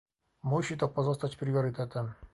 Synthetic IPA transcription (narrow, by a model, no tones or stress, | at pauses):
muɕʲit̪ɔpɔzɔst̪at͡ɕpɾʲiɔɾʲit̪ɛt̪ɛm